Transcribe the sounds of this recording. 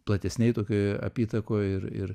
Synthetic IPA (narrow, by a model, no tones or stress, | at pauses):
plˠɐt̪ʲɛsʲnʲɛɪt̪oːkʲoɐ̰pʲiːt̪ɐkoːɪɾɪ̰ɾ